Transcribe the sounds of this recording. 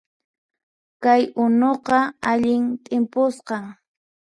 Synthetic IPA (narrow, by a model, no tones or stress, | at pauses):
kajʊnoqɑaʎɪnt̪ʼɪmpʊsqɑŋ